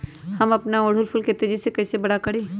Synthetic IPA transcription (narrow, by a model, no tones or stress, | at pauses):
hɐmɐpnaoːɽ̤ʊlpʰʊlket̪ed͡ʒisekɛːsebɐɽakɐɽeː